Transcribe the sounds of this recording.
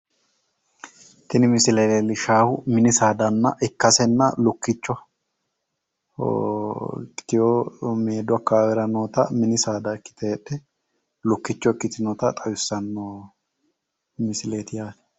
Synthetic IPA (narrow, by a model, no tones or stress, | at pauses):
t̪ɪnɪmɪsɪleːt̪elɪʃaːhʊmɪnɪsaːd̪ɐnːɐ̰ʔɛkːɐsɛnːɐlʊkːɪt͡ʃːɔ | kːɪjomeːd̪ʊɐkːaːwɛɾɐnoːt̪ɐ̰mɪnɪsaːd̪ɐkːɪ̥t̪ʰɛᶑɛ | lʊkːɪt͡ʃːɔɛkːɪt̪ɪnɔt̪ɐt̪ʼɐjʊsːɐnːoː | mɪsɪleːt̪ɪjaːt̪ɛ̥